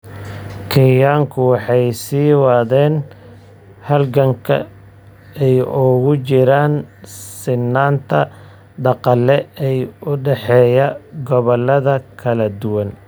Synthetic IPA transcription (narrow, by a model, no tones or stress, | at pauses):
kʰɪjaːŋkʰʊwɑħɑjsiːwɑðɛːn | hɐlɡɐŋkʰɐ̰ | ɛjʊɣʊt͡ʃɪɾaːnsɪnːaːnt̪ʰɐ | ɖ̪ɑqɑlːɛɛjʊɖɛħɛːjɐɡɔβɔlːɐðɐkʰɐlɐd̪ʊwɐn